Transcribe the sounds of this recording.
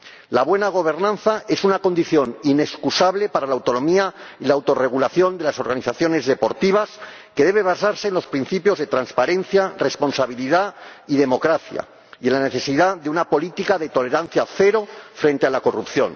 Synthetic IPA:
laβwe̞naɣ̞o̞β̞e̞ɾnãnθae̞sunako̞nd̪iθjo̞nine̞skusaβle̞paɾalaːwt̪o̞no̞miailaːwt̪o̞re̞ɣulaθjo̞nd̪elaso̞ɾɣaniθaθjo̞ne̞zðe̞po̞ɾt̪iβ̞as | ke̞ðe̞β̞e̞β̞asaɾse̞ːnlo̞spɾin̟θipjo̞zðe̞t̪ɾanspaɾẽ̞n̟θjare̞spo̞nsaβiliðaiðe̞mo̞kɾaθja̰ | ienlane̞θe̞siðaðunapo̞lit̪ikaðe̞t̪o̞le̞ɾan̟θjaθe̞ɾo̞fɾe̞nt̪ealako̞rupθjo̞̰n

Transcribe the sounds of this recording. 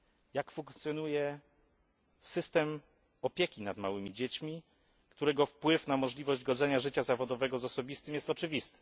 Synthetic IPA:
jakfuŋkt̪sʲjɔnujɛ | sɘst̪ɛm | ɔpʲjekʲinad̪mawɘmʲid͡ʑet͡ɕmʲi | kt̪uɾɛɡɔfpwɘfnamɔʐlʲivɔʑd͡ʑɡɔd̪zɛɲaʐɘt͡ɕazavɔd̪ɔvɛɡɔzɔsɔbʲist̪ɘmjɛst̪ɔt͡ʂɘvʲist̪ɘ̥

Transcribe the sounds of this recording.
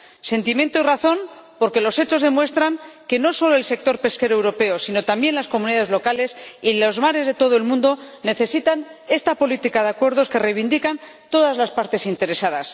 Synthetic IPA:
se̞nt̪imje̞nt̪oiraθo̞n | po̞ɾke̞lo̞se̞t͡ʃo̞zðemwe̞st̪ɾaŋke̞no̞so̞lo̞else̞k̚t̪o̞ɾpe̞ske̞ɾowɾo̞pe̞osino̞t̪ambje̞nlasko̞muniðaðezlo̞kale̞silozmaɾe̞zðe̞t̪o̞ð̞oe̞lmũnd̪o̞ne̞θe̞sit̪ane̞st̪apo̞lit̪ikaðeakwe̞ɾð̞o̞ske̞rejβind̪ikan | t̪o̞ðazlaspaɾt̪e̞sint̪e̞ɾe̞saðas

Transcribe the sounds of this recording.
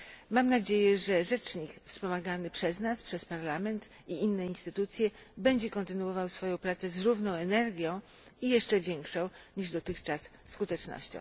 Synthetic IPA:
mamnad͡ʑejɛʐɛʐɛt͡ʂɲikfspɔmaɡanɘpʂɛznaspʂɛspaɾlamɛnt̪ | iinːɛinst̪ɘt̪ut̪sʲjɛbɛɲd͡ʑɛkɔnt̪ɘnuwɔvawsfɔjɔ̃w̃pɾat̪sɛzɾuvnɔ̃w̃ɛnɛɾɡʲjɔ̃w̃ | ijɛʂt͡ʂɛvʲjɛŋkʂɔ̃w̃ɲiʐd̪ɔt̪ɘxt͡ʂasːkut̪ɛt͡ʂnɔ̰ɕt͡ɕɔ̰̃w̃

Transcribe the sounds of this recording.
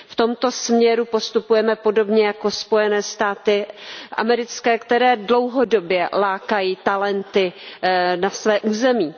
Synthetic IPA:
ft̪o̞mt̪o̞smɲɛɾupo̞st̪upujɛmɛpo̞do̞bɲɛjako̞spo̞jɛnɛːst̪aːt̪ɪʔa̰mɛɾɪt͡skɛːkt̪ɛɾɛːdlo̞wɦo̞do̞bjɛlaːkajiːt̪alɛnt̪ɪ | nasvɛːʔuːzɛmiː

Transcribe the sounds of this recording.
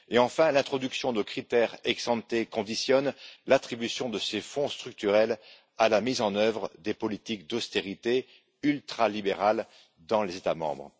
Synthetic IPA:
eɑ̃fɛ̃lɛ̃t̪χɔd̪yksjɔ̃d̪əkχit̪ɛʁɛksɑ̃t̪ekɔ̃d̪isjɔnlat̪χibysjɔ̃d̪əsefɔ̃st̪χyk̚t̪yʁɛl | alamizɑ̃nœvʁəd̪epɔlit̪ikd̪ɔst̪eʁit̪e | ylt̪χalibeʁal | d̪ɑ̃lezet̪amɑ̰̃bʁ

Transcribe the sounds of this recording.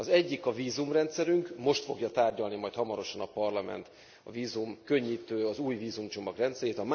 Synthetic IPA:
ɒzɛɟːikɒviːzumrɛnt̪sɛɾyŋkmo̞ʃt̪fo̞ɡjɒt̪aːrɟɒlnimɒjt̪hɒmɒɾo̞ʃɒnɒpɒrlɒmɛ̰nt̪ | ɒ̰viːzumkø̞ɲːiːt̪øːɒzuːjviːzumt͡ʃo̞mɒɡrɛnt̪sɛɾeːt̪ɒm

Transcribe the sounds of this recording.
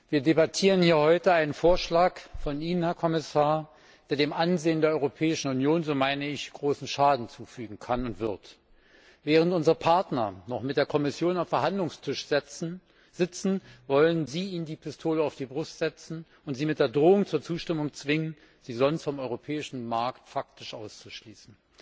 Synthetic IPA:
viːɐdebatʰiːʁənhiːɐhɔʏtəaɪnənfoːɐʃlaːkfɔniːnənhɛɐkʰɔmɪsaːɐ | d̥eːɐdeːmʔanzeːəndeɐɔʏʁopʰɛːɪʃn̩ʊnjoːnzoːmaɪnəɪçɡ̥ʁoːsn̩ʃaːdn̩t͡suːfyːɡŋ̩kʰanʊntv̥ɪɐt | vɛːʁ̞əntʔʊnzəʁəpʰaɐtnɐnɔχmɪtd̥eːɐkʰɔmɪsjoːnaʊfɛɐɦhandlʊŋstʰɪʃz | z̥ɪt͡sn̩vɔlənziːiːnəndiːpʰɪstʰoːləaʊfd̥iːbʁʊstz̥ɛt͡sn̩ | ʊntz̥iːmɪt̚d̥eːɐdʁoːʊŋt͡suːɐt͡suːʃtɪmʊŋt͡sv̥ɪŋən | ziːzɔnstfɔmɔʏʁopʰɛːɪʃn̩maɐktfak̚tɪʃʔaʊst͡su̥ʃliːsn̩

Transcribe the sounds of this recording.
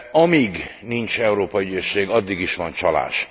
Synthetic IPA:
ɒmiɡnint͡ʃɛuɾoːpɒyɟøʃːeːɡɒd̪ːiɡiʃʋɒnt͡ʃɒla̰ːʃ

